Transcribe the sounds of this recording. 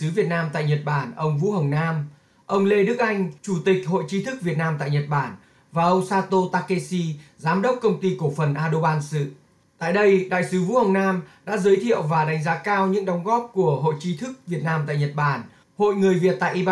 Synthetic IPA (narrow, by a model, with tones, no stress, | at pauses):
ɨ˨˦vi˨˩ət̚naː˧mt̪a̰ː˧˨jɲə˨˩t̚ɓaː˧˩nʔə˧wŋ͡mvṵ˧˥hə˨˩wnaː˧m | ʔə˧wŋ͡mle˧ɗɨ˦˥ək̚ʔa˧jŋ̟t͡ɕu˧˩t̪ï˨˩k̟̚ho̰˧˨jt͡ɕi˨˦t̪ʰɨ˦˥k̚vi˨˩ət̚naː˧mt̪a̰ː˧˨jɲə˨˩t̚ɓaː˧˩n | vaː˨˩ʔə˧wŋ͡msaː˧t̪o˧t̪aː˧ke˧si˧zaː˨˦mɗə˦˥wk͡p̚kə˧wŋ͡mt̪i˧kfə˨˩nʔaː˧ɗo˧ɓaː˧nsɨ̰˧˨ | t̪a̰ː˧˨jɗə˧jɗa̰ː˧˨jsɨ˨˦vṵ˧˥hə˨˩wŋ͡mnaː˧mɗa̰ː˧˥zəː˨˦jt̪ʰḭ˧˨əwvaː˨˩ɗa˨˦jŋ̟zaː˨˦kaː˧wɲɨ̰˧˥ŋɗə˨˦wŋ͡mɣɔ˦˥p̚ku˧˩əɦo̰˧˨jt͡ɕi˨˧˦t̪ʰɨ˦˥k̚vi˨˩ət̚naː˧mt̪a̰ː˧˨jɲə˨˩t̚ɓaː˧˩n | ho̰˧˨jŋɨ˨˩əjvi˨˩ət̚t̪a̰ː˧˨ʔi˧